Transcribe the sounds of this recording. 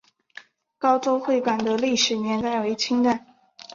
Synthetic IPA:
kɑ˥ʊʈ͡ʂo˥ʊxwe˥˩ɪkwa˨˩nd̪ə˦li˥˩ʂɻ̩˨˩njɛ˧˥nt̪a˥˩ɪwe˧˥ɪt͡ɕʰi˥ŋʈ͡ʂ̪a˥˩n

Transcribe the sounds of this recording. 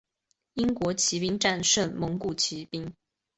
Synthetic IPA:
i˥ŋkwɔ˧˥t͡ɕʰi˧˥pi˥ŋʈ͡ʂa˥˧nʂə˥˩nmɤ˧˥ŋku˥˩t͡ɕʰi˧˥pi˥ŋ

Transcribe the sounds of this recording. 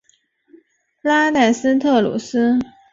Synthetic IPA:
la˥na˥˩ɪs̩˥t̪ʰɤ˥˩lṵ˨˩sɹ̩˥

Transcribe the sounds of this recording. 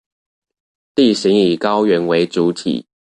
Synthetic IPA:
t̪i˥˩ɕi˨˦ŋi˨˩kɑ˦ʊɥɛ˨˥nwe˧˦ɪt͡su˨˦t̪ʰḭ˨˩˦

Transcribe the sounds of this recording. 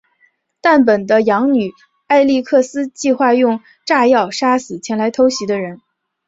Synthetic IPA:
t̪a˥˩np̬ə˨˩nd̪ə˦jɑ˧˥ŋny˨˩ | a˥˧ɪli˥˧kʰɤ˥˩sɹ̩˥t͡ɕi˥˧xwa˥˧jʊ˥˧ŋ | ʈ͡ʂa˥˧jɑ˥˩ʊʂa˥sɹ̩˨˩t͡ɕʰjɛ˧˥nla˧˥ɪt̪ʰo˧˥ʊɕi˧˥d̪ə˧ɻə˧˥n

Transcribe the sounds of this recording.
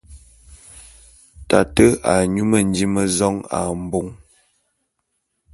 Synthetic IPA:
ta˨tə˦a˨ɲu˦mə˨n˦di˦mə˦zɔ˦ŋa̰˨m̩˨bo˦ŋ

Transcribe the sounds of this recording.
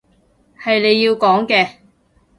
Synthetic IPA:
hɐ˨jne˨˧jːiː˧wkɔː˨˥ŋkɛː˧

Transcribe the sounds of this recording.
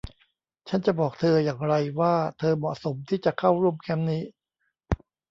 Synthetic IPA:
t͡ɕʰa˦˥nt͡ɕa˨˩bɔː˨˩k̚t̪ʰɤː˧jaː˨˩ŋɾa˧jwaː˥˩t̪ʰɤː˧mɔ˨˩ʔso˩˦mt̪ʰiː˥˩t͡ɕa˨˩kʰa˥˩wɾu˥˩əmkʰɛ˦˥mniː˦˥

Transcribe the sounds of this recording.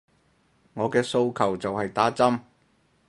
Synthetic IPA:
ŋɔː˨˧kɛː˧so˧wkʰɐ˨˩wt͡sɐ˨whɐ˨jt̪aː˨˥t͡sɐ˥m

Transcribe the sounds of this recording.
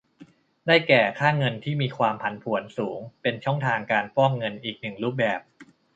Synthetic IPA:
daː˥˩jkɛː˨˩kʰaː˥˩ŋɤ˧nt̪ʰiː˥˩miː˧kʰwaː˧mpʰa˨˦npʰu˨˩˦ənsuː˩˦ŋpe˧nt͡ɕʰɔ˥˩ŋt̪ʰaː˧ŋkaː˧npɔ˥˩ŋŋɤ˧nʔiː˨˩k̚nɯ˨˩ŋɾuː˦˥˩p̚bɛː˨˩p̚

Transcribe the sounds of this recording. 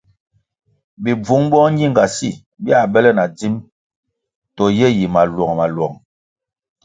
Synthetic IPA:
bi˨b͡vu˦ŋbɔ˦ŋ˦i˦˨ŋɡa˨si˦˨ | bi˦a˦˨bɛ˦lɛ˦na˨d͡zi˦m | tɔ˨jɛ˦˨ji˨ma˨lwɔ˨ŋ˨ma˨lwɔ˨ŋ

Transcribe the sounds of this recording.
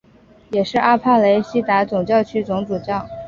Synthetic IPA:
jɛ˨˩ʂɻ̩˥˧a˥pʰa˥˩le˧˥ɪɕi˥t̪a˧˥t͡sʊ˨˩ŋt͡ɕjɑ˥˩ʊt͡ɕʰy˥t͡sʊ˧˥ŋt͡su˨˩t͡ɕjɑ˥˩ŋ

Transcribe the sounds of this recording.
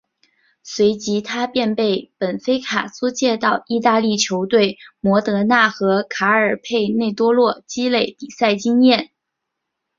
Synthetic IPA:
swe˧˥ɪt͡ɕi˧˥t̪ʰa˥pjɛ˥˧npe˥˩ɪpə˨˩nfe˥ɪkʰa˨˩su˥t͡ɕjɛ˥˧t̪ɑ˥˧ʊi˥˧t̪a˥˧li˥˩t͡ɕʰjo˧˥ʊt̪we˥˩ɪmwɔ˧˥t̪ɤ˧˥na˥˩xɤ˧˥kʰa˧˥ə˞˨˩pʰe˥˧ɪne˥˩ɪt̪wɔ˥lwɔ˥˩t͡ɕi˥le˥˩ɪpi˨˩sa˥˩ɪt͡ɕi˥ŋjɛ˥˩n

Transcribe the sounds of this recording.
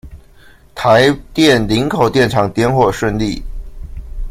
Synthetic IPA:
t̪ʰa˧˥ɪt̪jɛ˥˩nli˧˥ŋkʰo˨˩ʊt̪jɛ˥˩nʈ͡ʂʰɑ˨˥ŋt̪jɛ˥˧nxwɔ˥˩ʂwə˥˧nli˥˩

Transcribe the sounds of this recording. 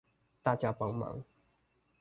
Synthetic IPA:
t̪a˥˨t͡ɕja˦pɑ˥˦ŋmɑ̰˨˧˦ŋ

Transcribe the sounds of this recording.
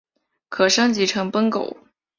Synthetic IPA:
kʰɤ˨˩ʂɤ˥ŋt͡ɕi˧˥ʈ͡ʂʰɤ˧˥ŋpə˥ŋko˨˩˦ʊ

